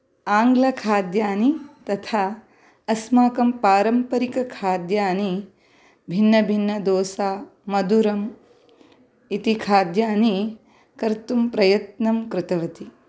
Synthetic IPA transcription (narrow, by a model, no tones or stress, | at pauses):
aːŋɡlɐkʰaːd̪jaːnit̪ɐt̪ʰaː | ɐsmaːkɐmpaːɾɐmpɐɾikɐkʰaːd̪jaːni | bʱinːɐbʱinːɐd̪oːsaːmɐd̪uɾɐm | it̪ikʰaːd̪jaːni | kɐɾt̪umpɾɐjɐt̪nɐmkɾɪt̪ɐʋɐt̪i